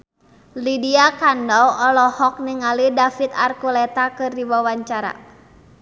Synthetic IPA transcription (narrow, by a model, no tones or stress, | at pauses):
lidiakandɔwɔlɔhɔk̚niŋalidafit̪a̰rkulɛt̪akɨrdiwawaɲt͡ʃaɾa̰